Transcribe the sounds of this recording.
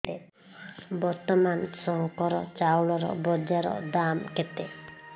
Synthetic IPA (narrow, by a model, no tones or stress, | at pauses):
e | bɔɾt̪ɔmansɔŋkɔɾɔt͡ʃawɭɔɾɔ̰bɔd͡ʒaɾɔ̰d̪amket̪e